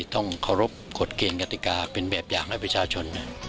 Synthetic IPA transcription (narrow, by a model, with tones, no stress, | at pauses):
t̪ɔ˥˩ŋkʰa˧˩wɾo˦˥p̚ko˨˩t̪̚keː˧nka˧t̪i˨˩kaː˧pe˧nbɛː˨˩p̚jaː˨˩ŋha˥˩jpɾa˧t͡ɕʰaː˧t͡ɕʰo˧nːa˦˥˩